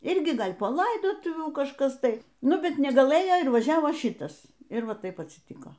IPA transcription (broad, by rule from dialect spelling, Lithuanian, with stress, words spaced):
ˈɪrʲɡʲɪ ˈɡɐlʲ poː ˈlˠɐɪdoːtʊʋʲuː kɐʃˈkɐs ˈtɐɪ ˈnʊ ˈbʲɛt nʲɛɡɐlˠˈɘjoː ɪr ʋɐˈʒʲæːʋoː ˈʃʲɪtɐs ɪr ˈʋɐ ˈtɐɪp ɐtʲsʲɪˈtʲɪkoː